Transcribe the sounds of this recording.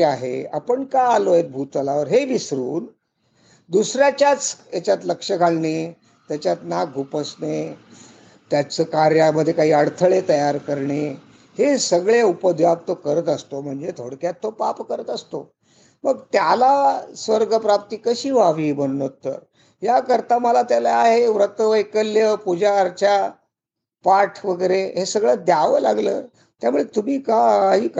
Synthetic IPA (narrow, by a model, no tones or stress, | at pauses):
aɦḛa̰pəɳkaaloet̪̚bʱut̪əlaʋəɾɦeʋisɾuːn | d̪usɾjat͡ɕjat͡sjat͡ɕjat̪ləkʂəɡʱalɳe | t̪jat͡ɕjat̪nak̚ɡʱupəsne | t̪jat͡səkaɾjaməd̪ʱːjekaɦiːəɽt̪ʰəɭet̪əjaɾkəɾɳe | hesəɡɭeupəd̪ʱjap̚t̪okəɾət̪əst̪om̤əɳd͡zet̪ʰoɽkjat̪ːopapkəɾət̪əst̪o | məɡt̪jalasʋəɾɡəpɾap̚t̪iːkəɕiːʋaʋiːbənunot̪ːə̰ɾ | jakəɾt̪aməlat̪jalaaɦeʋɾət̪əʋəjkəljəpud͡ʑaɾt͡ɕja | paʈʰʋəɡəɾeɦesəɡɭəd̪jaʋəla̰ɡlə̰ː | t̪jamuɭet̪umiːkaɦiːk